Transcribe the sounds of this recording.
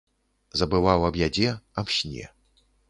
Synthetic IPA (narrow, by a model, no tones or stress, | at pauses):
zɐbɨvawɐbjad͡zʲɛamɕnʲɛ̰